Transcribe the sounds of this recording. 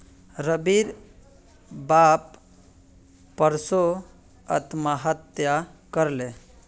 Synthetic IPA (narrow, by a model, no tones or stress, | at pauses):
ɾəbiɾ | bap | əɾso | ə̰t̪maɦət̪jakəɾle